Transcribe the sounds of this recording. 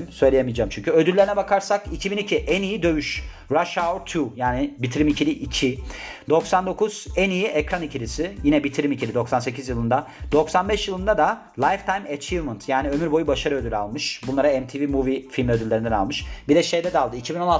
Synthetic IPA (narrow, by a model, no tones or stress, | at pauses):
msø̞jlʲejemijd͡ʒaːmt͡ʃʰyɲcʰyød̪ylʲːeɾinɛbakʰaɾsakicʰibinicʰiʔænijid̪ø̞vyʃ | ɾaʃaɾt̪ʰujaːnɪbit̪ʰiɾimicʰilʲiʔicʰid̪o̞ksand̪o̞kʰuz̥ænijiʔɛcɾanicʰilʲisɪjinɛbit̪ʰiɾimicilʲid̪oksanse̞cʰizjɯlˠɯnd̪ad̪̥o̞ksanbɛʃjɯlˠɯnd̪ad̪a | lˠajft̪ʰajmat͡ʃʰivmənt̪ʰjaːniø̞myɾbo̞jubaʃaɾɯød̪ylʲalˠmɯʃbunlˠaɾaɛmt̪ʰivimuvifilʲmiød̪ylʲːe̞ɾind̪ænalˠmɯʃbid̪ɛʃe̞jd̪ɛd̪ɛalˠd̪ɯicʰibino̞na